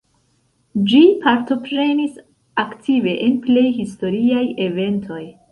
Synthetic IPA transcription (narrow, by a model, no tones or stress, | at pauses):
d͡ʒipaɾto̞pɾe̞nis | aktʰive̞ʔenple̞jhis̬to̞ɾiaje̞ve̞ntʰo̞j